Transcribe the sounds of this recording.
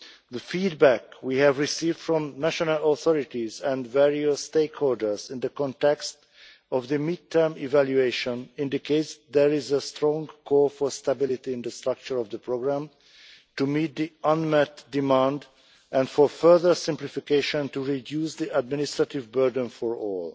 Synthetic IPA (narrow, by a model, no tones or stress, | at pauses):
ðəfid̚bækwiːhɛvɹisiːvd̥fɹɔ̃mnæʃɔnalɔθɔɹɪt̪izɛ̃ndvɛɹiəsːteɪkholdəɹzɪ̃nd̪əkɔ̃ntɛkst | ɔvðəmid̚tʰəɹmivæljueʃɔ̃nɪ̃ndiketsd̪ɛɹizəstɹɔ̃ŋkʰɔːɹfɔɹst̪abɪlit̪iɪ̃nd̪əstɹʌk̚t͡ʃəɹɔvd̪əpɹoɡɹæ̃m | tumiːt̪̚d̪iʌ̃nmɛt̪dimãnd̪ | ɛ̃ndfɔɹfɜ˞ðə˞sɪ̃mplifikeʃɔ̃ntuɹidjuːsd̪iʔæd̚mɪnist̪ɹat̪ivbɜɹd̃nfɔɹɔːl